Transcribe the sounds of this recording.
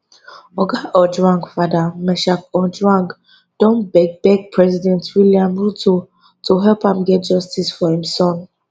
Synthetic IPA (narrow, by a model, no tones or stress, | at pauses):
ɔɡaʔɔdɹãŋkfadamɛʃakɔdɹãŋk | d̥ɔ̃nbɛɡ̚bɛɡ̚pʰɹɛzidɛ̃ntwiliãmɹuto | tʰoɦɛlpãmɡɛt̚d͡ʒɔstisfɔhĩmsɔ̃n